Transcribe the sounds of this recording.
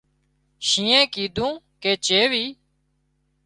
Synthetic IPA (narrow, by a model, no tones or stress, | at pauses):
ʃĩːẽːkiːd̪ʱũː | keːt͡ʃeːʋiː